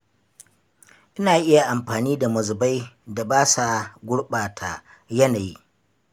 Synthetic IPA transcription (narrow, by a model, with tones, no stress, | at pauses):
ʔɪ˦naː˨ʔɪ˦ja˨ʔa˨mɸaː˨niː˦da˨mɐ˨zʊ˨ba˦jda˨baː˦sa˨ɡʷʊ˦ɽɓaː˨tʰaː˨ | jɐ˦naː˨jḭ˦